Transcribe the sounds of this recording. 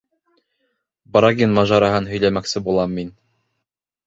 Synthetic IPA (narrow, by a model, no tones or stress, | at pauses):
bɾaɡʲinmɑʒɑɾɑɦɤnɦɵ̆jlæmæksɘbulˠɑmːin